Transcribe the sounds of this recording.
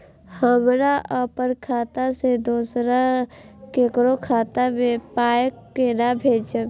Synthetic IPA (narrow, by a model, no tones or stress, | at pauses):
həmɾaʔəpəɾkʰaːt̪ased̪oːsɾa | kekɾokʰaːt̪amẽpaːjəkːenabʱeːd͡ʒə